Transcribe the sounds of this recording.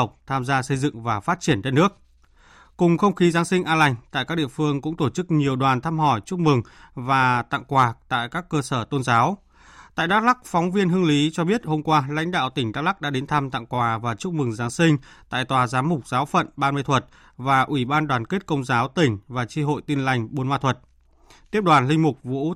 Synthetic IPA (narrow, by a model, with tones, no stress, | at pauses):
ə˨˩k͡p̚t̪ʰaː˧mzaː˧sə˧jzɨ̰˧˨ŋvaː˨˩faː˦˥t̚t͡ɕi˧˩ənɗe˧nːɨ˦˥ək̚ | kʊ˨˩ŋ͡mxə˧wŋ͡mxi˨˦zaː˨˦nsi˧ŋ̟ʔaː˧la˧jŋ̟t̪a̰ː˧˨jkaː˦˥k̚ɗḭ˧˨əfɨ˧əŋkʊ̰˧˥ŋ͡mt̪o˧˩t͡ɕɨ˦˥k̚ɲi˨˩əwɗwaː˨˩nt̪ʰaː˧mhɔ˧˩jt͡ɕʊ˦˥k͡p̚mɨ˨˩ŋvaː˨˩t̪a̰˧˨ŋkwaː˨˩t̪a̰ː˧˨jkaː˦˥kːəː˧səː˧˩t̪o˧nzaː˨˦w | t̪a̰ː˧˨jɗaː˦˥k̚la˦˥k̚fɔ˨˦wŋ͡mvi˧ənɦɨ˧əŋli˨˦t͡ɕɔ˧ɓi˦˥ət̚ho˧mkwaː˧la̰˧˥jŋ̟ɗa̰ː˧˨wt̪ï˩ŋ̟ɗa˦˥k̚la˦˥k̚ɗa̰ː˧˥ɗe˨˦nt̪ʰa˧mt̪a̰˧˨ŋkwaː˨˩vaː˨˩t͡ɕʊ˦˥k͡p̚mɨ˨˩ŋzaː˨˦nsï˧ŋ̟ | t̪a̰ː˧˨jt̪waː˨˩zaː˨˦mʊ˨˩k͡p̚zaː˨˦wfə̰˧˨nɓaː˧m˧jt̪ʰwə˨˩t̚ | vaː˨˩ʔwi˧˩ɓaː˧nɗwaː˨˩nke˦˥t̚kə˧wŋ͡mzaː˨˦wt̪ï˧˩ŋ̟vaː˨˩t͡ɕi˧ɦo̰˧˨jt̪i˧nla˧˩jŋ̟ɓo˨˦nmwaː˧t̪ʰwə˨˩t̚ | t̪i˦˥əp̚ɗwaː˨˩nlï˧ŋ̟mʊ˨˩k͡p̚vṵ˧˥